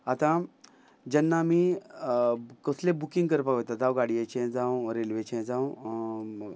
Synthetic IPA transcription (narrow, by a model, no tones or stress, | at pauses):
at̪ã | d͡ʑanːamiː | kəslẽbukĩŋɡkəɾpakʋət̪ad̪awɡaɽijet͡ɕʰɛ̃d͡zãwɾelʋet͡ɕɛ̃d͡zãw